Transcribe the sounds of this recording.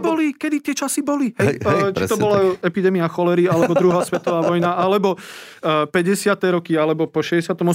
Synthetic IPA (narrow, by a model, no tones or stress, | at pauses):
bɔlikɛd̪it̪ɪɛt͡ʃasibɔliɦɛt͡ʃt̪ɔbɔlaɛpid̪ɛmiaxɔlɛɾialɛbɔd̪ɾuɦaːsʋɛt̪ɔʋaːʋɔjnaalɛbɔ | pɛɟɛsɪat̪ɛɾɔkialɛbɔpɔʃɛɟɛsɪat̪ɔmɔ